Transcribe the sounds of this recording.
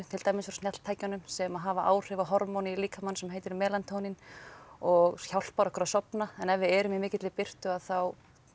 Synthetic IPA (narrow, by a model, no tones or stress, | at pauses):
ʏt̪ʰɪlt̪aːjmɪsfɾsnjɛt̪t̪ʰaːjcanʏmsɛmaðɦaːvaʔa̰ːwr̥ɪvaɦɔɾmowniiliːkʰamansɛmɦejt̪ɪɾmɛːlant̪ʰownɪnɔɣçawl̥paɾɔkʏɾaðsɔpnaɛnɛvːɪɛɾʏmɪmɪːcɪt̪lɪpɪr̥t̪ʏaðθaw